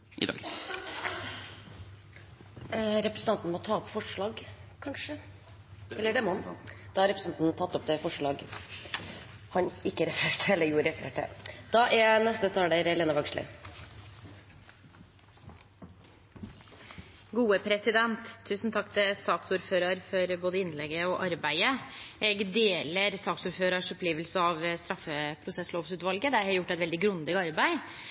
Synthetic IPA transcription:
ʔɪ̰d̪̰ː | ɾɛpɾəsn̩t̪ɑnt̪n̩mɔt̪ʰɑːɔpfɔʂɭɑːɡkʰɑnʂə | ɛlːəɖɛmɔnd̪̥ɑhɑɾɛpɾəsɑnt̪nt̪ʰɑt̪ːɔp̚d̪ɛfɔʂɭɑːɡ | hɑnɪkːəɾɛfɾeːʈɛlːəjuːɾɾɛfəɾḛːʈə̰d̪̥ɑʔɛnɛst̪əd̪ɛt̪ʰɑlləɾɛleːnəʋɑɡʂɭɪ̰ | ɡuːəpʰɾɛsɪd̪ɛnt̪ʰːʉːsn̩t̪ʰɑkːt̪ʰɪsɑːksuːɾføːɾɑɾfɔɾboːd̪əɪnlɛɡəɔʔɑɾbæɪəʔɛɡd̪eːləɾsɑːksuːɾføːɾɑʂɔpʰliːʋəlsəɑʋst̪ɾɑfːəpʰɾʊsɛsloːʋsʉːt̪ʋɑlɡəd̪ɛæɾhɛjʊʈːɛt̪ʋɛld̪ɪɡɾʉnd̪ɪɡɑɾbæɪ

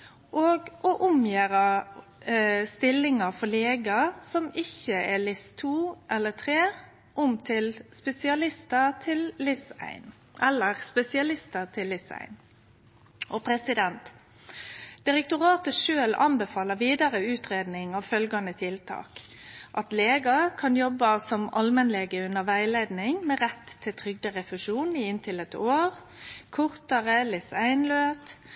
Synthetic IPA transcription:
ʔɔɡʔɔʔʊmjæːɾɑ | st̪ɪlːɪŋɑfɔleːɡɑsɔmɪçəʔælɪst̪ʰuːʔɛlːət̪ʰʁeː | ʔʊmt̪ʰɪlspɛsɪɑlɪst̪ət̪ʰɪlːɪsæ̰ɪn | ʔɛlːəʁspɛsɪɑlɪst̪ət̪ʰɪlːɪsæ̰ɪn | ʔɔpʰɾɛsɪd̪ɛnt̪ | d̪̥ɪʁɛk̚t̪ʊʁɑːt̪əʃøːlʔɑnbɛfɑːləʋiːd̪ɑʁəʉːt̪ʁeːd̪nɪŋɑʋfœlɡɑnət̪ʰɪlt̪ʰɑ̰ːk | ʔɑt̪leːɡɑkʰɑnjɔbːɑsɔmʔɑlmɛnleːɡəʉnːəʁʋæɪleːd̪nɪŋmeːʁɛt̪ʰːɪlt̪ʰʁʏɡ̚d̪əʁɛfʉʃuːniɪnt̪ʰɪlət̪oːʁ | kʰʊʁt̪əʁəlɪsæɪnløːp

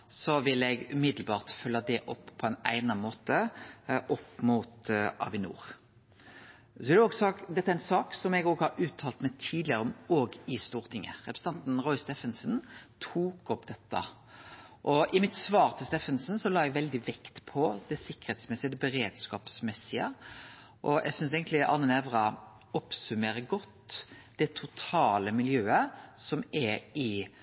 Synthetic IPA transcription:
sɔʋɪlɛɡʉmɪd̪l̩bɑːʁt̪fœlːɑd̪ɛʔɔpːpʰɔɛɪnæ̰ɪnɑmoːt̪əʔɔpːmut̪ʔɑ̰ʋɪnṵːʁ | sɔɛd̪ɛɔɡsɔd̪ɛt̪ːæɾæɪnsɑːksɔmɛɡoːɡhɑɾʉːt̪ʰːɑːlt̪mɛt̪ʰiːd̪lɪəɾəɔmoːɡɪst̪uːʁt̪ʰɪŋːə̰ʁɛpɾəsəɑnt̪n̩ʁɔʏsd̪ɛfənsənt̪ʰuːkɔpd̪ɛt̪ːɑ̰ | ʔɔʔɪmɪt̪sʋɑːɾt̪ʰɪlst̪ɛfənsn̩sɔlɑːɛɡʋɛld̪ɪʋɛkt̪pʰɔd̪ɛsɪkːə̥ʁhɛːt̪smɛsɪəd̪ɛbəɾeːd̪skɑːpsmɛsːɪə̰ | ʔɔʔɛ̰ɡsʏns̬eːɡənt̪lɪʔɑ̰nənɛʋɾɑ | ɔpsʉmeːɾəɡɔt̪ːd̪̥ɛt̪ʰʊt̪ʰɑːləmɪljøːəsɔmɛɾɪ

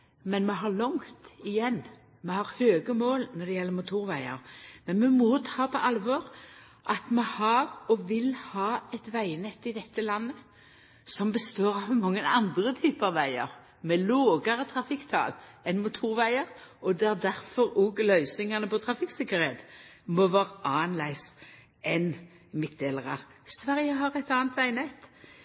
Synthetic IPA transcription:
mɛnmɛɦɑɭʊŋt̪ɪjɛnː | mɛhɑʁhøːɡəmoːlnɔd̪ɛjɛlːəɾmʊt̪ʰuːɾʋæɪə̰ɾmɛnmɛmɔt̪ʰɑːpʰɔʔɑlʋɔːɾ | ʔɑt̪mɛhɑɾɔʋɪlhɑːɛt̪ʋæɪnɛt̪ːɪd̪ɛt̪ːəlɑnːə | sɔmbəst̪oːɾɑʋmɑŋːənɑnd̪ɾət̪ʰyːpəɑʋʋæɪəɾ | mɛloːɡɑʁət̪ʰʁɑfɪkt̪ʰɑ̰ːlɛnmʊt̪ʰuːɾʋæɪəʁɔd̪ɛæd̪æʁfɔɾoːɡlœʏsɪŋɑnəpɔt̪ʰɾɑfɪksɪkːəɾɛt̪mɔʋæːʁəʔɑːnlæɪs | ɛn | mɪt̪̚d̪eːləʁɑʁsʋæʁjəɦɑʁɛt̪ɑːnt̪ʋæɪnɛt̪ː

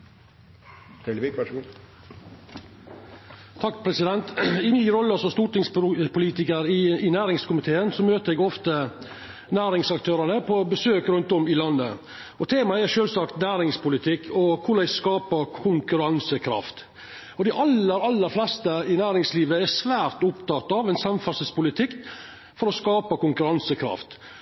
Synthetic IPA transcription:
t̪ʰɑkːpʰɾɛsɪd̪ɛnt̪ɪmɪɾɔlːəsɔst̪uːʈɪŋspʊliːt̪ɪkəɾɪɪnæːɾɪŋskʊmɪt̪ʰeːənsɔmøːt̪əɾɛɡɔft̪ə | næːɾɪŋsɑkt̪ʰøːɾənəpʰɔbəsøːkɾʉnt̪ɔmɪlɑnːə̰ | ɔt̪ʰeːmɑɛɾʂøːlsɑkt̪næːɾɪŋspʊlɪt̪ʰɪkːʰɔkʰʊɖæɪskɑːpəɾkʰʊŋkʉɾɑnsəkʰɾɑ̰ft̪ | ɔd̪ɪʔɑləɾɑlːəɾflɛst̪əɪnæːɾɪŋsliːʋəɛɾsʋæːɾt̪ʊpt̪ɑt̪ːɑːʋɛnsɑmfɑsəspʊlɪt̪ʰɪkː | fɔɾɔskɑːpɑkʊŋkʉɾɑnsəkʰɾɑ̰ft̪

